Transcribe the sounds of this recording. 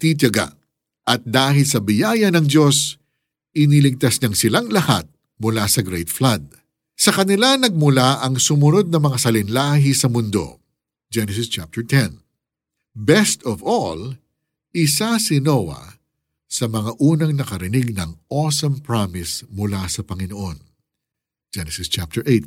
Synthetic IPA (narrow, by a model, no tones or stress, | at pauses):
t̪it͡ʃɐɡa̰ʔ | ʔɐt̪̚d̪aːɦɪlsɐbɪjaːjɐnɐŋdo̞s | ʔɪnilɪɡ̚t̪ɐsɲɐŋsɪlaŋlɐha̰t̪̚ | mʊlasɐɡɾejt̪flad̪̚ | sɐkɐnɪlanɐɡ̚mʊlaʔɐŋsʊmʊno̞d̪̚nɐmɐŋasɐlɪnlaːɦɪsɐmʊnd̪o̞̰ | d͡ʒɛnɛsɪst͡ʃap̚t̪ɛɹt̪ʰɛn | bɛst̪ɔvol | ʔɪsasɪnowɐ̰ | sɐmɐŋaʔuːnɐŋnɐkɐɾɪnɪɡ̚nɐŋʔosɐmpɹamɪsmʊlasɐpɐŋɪnoʔon | d͡ʒɛnɛsɪst͡ʃap̚t̪ɛɹʔejt̪̚